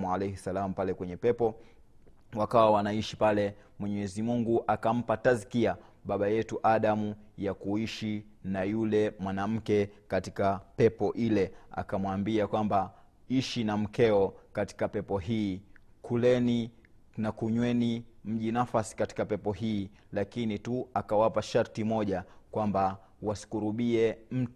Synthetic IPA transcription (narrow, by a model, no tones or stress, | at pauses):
ualɛjhɛsalam̩upalɛkwɛɲɛpɛpɔ | wakawawanaiʃipalɛmwɛɲɛzimuŋɡuʔakam̩patazikiaɓaɓajɛtuʔaɗamujakuiʃi | najulɛmwanam̩kɛkatikapɛpɔʔilɛa̰kamwambiakwamba | iʃinam̩kɛɔkati̥kapɛpɔɦiːkʰulɛni | nakuɲwɛnim̩ʄinafasi̥kati̥kapɛpɔɦiː | lakinituakawapaʃaɾtimɔʄakwamba | wasi̥kuɾuɓiɛm̩